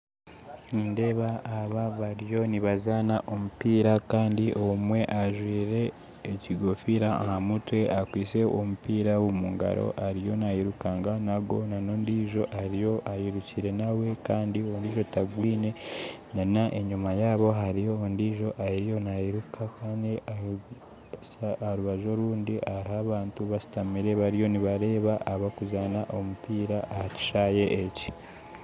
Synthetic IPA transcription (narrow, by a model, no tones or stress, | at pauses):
iːnde̞βaːβaβaɾijo̞niβazanaʔomupiːɾakaːndiʔomwe̞ʔaʒwiːɾe̞ː | ciɡofiɾaa̰hamutwe̞ʔakwiːse̞ʔomupiːɾawomuŋɡa̰ɾo̞̰ʔaɾijo̞nahiɾukaːŋɡanaɡo̞nanoːndiːʒo̞ʔaɾijo̞ʔahiɾuciɾe̞nawe̞kaːndiondiːʒo̞taɡwiːne̞nainaʔeɲumajaːβo̞ɦaɾijo̞ondiːʒo̞ʔaiɾijo̞nahiɾukʰakaːndia | aɾuβaʒo̞ɾuːndiʔaɾihaβaːntuβasi̥tamiɾe̞βaɾijo̞niβaɾe̞ːβaʔaβakuzanaʔo̞mupiːɾaʔːhaci̥ʃaje̞ʔːci